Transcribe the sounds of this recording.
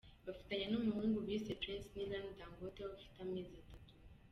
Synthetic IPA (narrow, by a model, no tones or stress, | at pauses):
bafi̥t̪aɲanomiɦũŋɡubisetɾɛ̃nsnilãnd̪amɡot̪eβafi̥tamezat̪atu̥